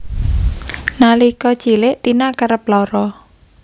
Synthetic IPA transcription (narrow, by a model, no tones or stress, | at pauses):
nalikɔ̥t͡ʃilɪʔt̪inakaɾəp̚lɔɾɔ